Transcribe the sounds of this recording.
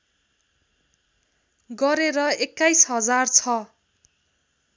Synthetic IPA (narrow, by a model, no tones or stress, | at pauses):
ɡʌɾeɾʌekːajsɦʌd͡zart͡sʰʌ